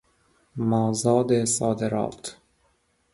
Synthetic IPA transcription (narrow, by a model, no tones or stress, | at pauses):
mɒːzɒːd̪esɒːd̪eɾɒ̰ːt̪